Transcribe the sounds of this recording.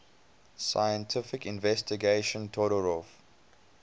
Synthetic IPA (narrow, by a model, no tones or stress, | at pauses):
sa̰jə̃ntʰɪfɪkɪ̃nvɛstiɡeʃə̃ntʰɔɾɔɹɔf